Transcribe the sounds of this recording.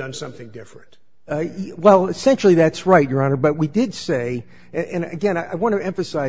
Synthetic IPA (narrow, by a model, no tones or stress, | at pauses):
ʌ̃nsʌ̃mθɪ̃ŋdɪfɹɨ̃nt̚ | wɛlˠɨsɛ̃nʃl̩ˠiðætsɹaɪt̚j̥ə˞ãʊ̃nɨt̚b̥ʌt̚widɪdseɪ | ɨ̃ɨ̃nɨ̰ɡɛ̃ñaɪʔaɪwɑ̃nɨɛ̃ɱfɨsaɪ